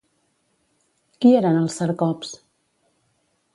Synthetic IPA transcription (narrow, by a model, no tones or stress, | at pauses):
kieɾanəlˠsəɾkɔps